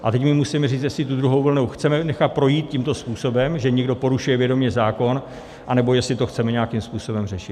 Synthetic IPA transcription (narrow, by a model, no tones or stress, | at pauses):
ʔat̪ɛcmɪmusimɛriːt͡st̪jɛsɪt̪ud̪ɾuɦo̞wvl̩nuwxt͡sɛmɛnɛxat̪̚pɾo̞jiːt̪̚cimt̪o̞spuːso̞bɛmʒɛɲɛɡdo̞po̞ɾuʃujɛvjɛdo̞mɲɛzaːko̞n | ʔanɛbo̞jɛsɪt̪o̞xt͡sɛmɛɲɛjakimspuːso̞bɛmrɛʃɪt̪